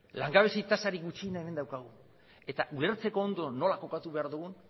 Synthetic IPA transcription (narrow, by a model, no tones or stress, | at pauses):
laŋɡaβe̞seit̪asaɾiɡut͡ʃinae̞me̞nd̪awkaɣ̞u | e̞t̪aʔule̞ɾt͡se̞ko̞ːnd̪o̞no̞lako̞kat̪uβe̞aɾðuɣun